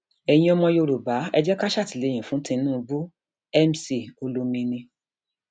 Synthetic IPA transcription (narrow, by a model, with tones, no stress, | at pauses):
ɛ˨j̃ĩ˧ɔ˧mɔ̃˧jo˧ɾu˨ba˨˦ɛ˧d͡ʒɛ˦ka˦ʃa˦˨ti˨le˨˧˨j̃ĩ˨fũ˨˦tĩ˧nũː˦˨˧bu˦ | ɛ˦m˦si˦˨o˧lo˧mĩ˧nĩ˧